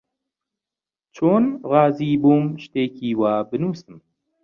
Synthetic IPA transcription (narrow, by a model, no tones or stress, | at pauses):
t͡ʃʰoːnʁɑːziːbuːmʃt̪eːkiːwaːbɨnuːsɨm